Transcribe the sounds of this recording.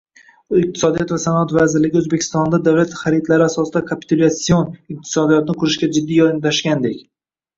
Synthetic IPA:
ɪq̚t̪ʰɪ̥sɒd̪ijɒt̪vasanɒat̪vazɪɾlɪɡʲɪɵzbekʰʲɪst̪ɒnd̪ad̪awlat̪χaɾit̪laɾɪasɒsɪd̪akʰapʰi̥t̪ʊlʲat̪sionɪq̚t̪ʰɪ̥sɒd̪ijɒt̪nɪqʰʊɾɪʃɡʲad͡ʒɪd̪ːijɒɪnt̪ʰaʃkʲand̪ekʲ

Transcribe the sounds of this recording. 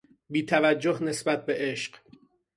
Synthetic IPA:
biːt̪ʰævæd͡ʒːohne̞sbæt̪̚be̞ʔe̞ʃɢ

